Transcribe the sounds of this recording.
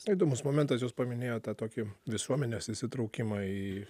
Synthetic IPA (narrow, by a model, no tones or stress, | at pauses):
ɪd̪oːmʊsmoːmʲɛnt̪ɐs̬joːspɐmʲɪnʲeːjoːt̪ɑːt̪oːkʲɪʋʲɪsuɔmʲɛnʲesɪsʲɪt̪ɾɐʊkʲɪmɑːiː